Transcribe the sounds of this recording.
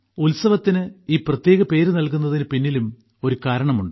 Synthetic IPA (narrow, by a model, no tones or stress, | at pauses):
ulsɐʋɐt̪ːinɨiːprɐt̪je̞ːɣɐpe̞ːɾunɐlkunːɐðinɨpinːilum | o̞ɾukaːɾɐɳɐmuɳɖɨ